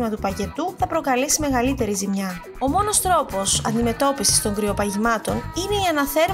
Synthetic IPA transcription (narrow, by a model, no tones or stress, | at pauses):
mɐt̪upɐce̞t̪uθɐpɾo̞kɐlesime̞ɣɐlit̪e̞ɾizimɲɐ | o̞mo̞no̞st̪ɾo̞po̞sɐ̰nd̪ime̞t̪o̞pisi̥st̪o̞ŋɡɾio̞pɐʝimɐt̪o̞nine̞iɐnɐθe̞ɾ